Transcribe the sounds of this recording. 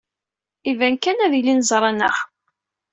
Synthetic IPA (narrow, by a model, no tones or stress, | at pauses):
ivænkænæðilinzˤɾˤɑnə̰χ